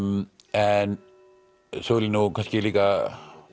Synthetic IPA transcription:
m | ɛn | solinokʰɐskilika

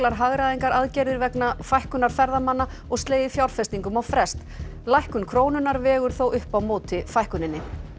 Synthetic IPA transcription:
laɾɦaɣɾaðiŋkaɾaðcɛɾðɪɾvɛknafajhkʏnaɾ̥fɛɾðamanːa | ɔɣst̪leːjðɪfjawɾ̥fɛst̪iŋkʏmawfɾɛst̪ | lajhkʏnkʰɾoːwnʏnːaɾvɛːɣʏɾ̥θowʔʏhpawmoːt̪ɪfajhkʏnɪnːɪ

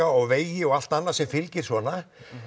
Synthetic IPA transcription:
aɔɣveːjjɪɔɣal̥t̪anːaðsɛmfɪlcɪɾ̥svɔːna

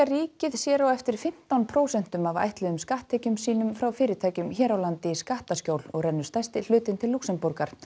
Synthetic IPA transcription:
ariːcɪðsjɛːɾawɛft̪ɪɾ̥fɪm̥t̪awnpʰɾoːwsɛn̥t̪ʏmava̰jht̪lɛðʏmskaht̪ʰːɛːcʏmsiːnʏmfɾawfɪːɾɪɾt̪ʰaːjcʏmçɛːɾawlant̪ɪskaht̪ascowlɔɣrɛnːʏ̥st̪ajst̪ɪl̥ʏːt̪ɪnt̪ʰɪlːuksɛmpuɾkaɾ

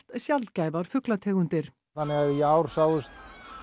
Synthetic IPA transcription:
t̪sjalcajvaɾ̥fʏklat̪ʰɛːɣʏnt̪ɪɾ̥ | θanːɪɣaðjaːwɾ̥sawʏst̪

